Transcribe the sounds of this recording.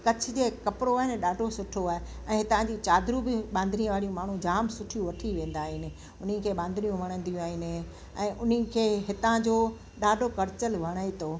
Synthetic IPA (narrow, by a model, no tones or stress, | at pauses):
kɐt͡ɕʰʊ̆d͡ʑeːkɐpɪɽoaːɦɪnɪɗaːɖʱosʊʈʰoaːɦe | ɛ̃ːɦɪt̪ãd͡ʑit͡ɕaːd̪ʱɾubɪɓãːnd̪niə̃ʋaːɾijũmaːɳ̤ũd͡ʑaːmsʊʈʰijũʋɐʈʰiʋẽːn̆d̪aːɦɪnɪ̆ | ʊn̤ikʰeːɓãːnd̪ʱnijũʋʱɐɽ̃ə̃nd̪ijũaːɦɪnɪ̆ | ɛ̃ːʔʊn̤ikʰeːɦɪt̪ãd͡ʑoː | ɗaːɖʱokɐɾɪt͡ɕəlʋʱɐɽ̃aːet̪ʰoː